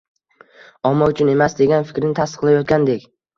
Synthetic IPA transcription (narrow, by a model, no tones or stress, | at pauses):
ɒmːaʊt͡ʃʰʊne̞masd̪e̞ɡʲanfɪ̥kʲɾɪnɪt̪ʰast̪ɨ̥qlˠajɒt̪̚kʲand̪e̞kʲ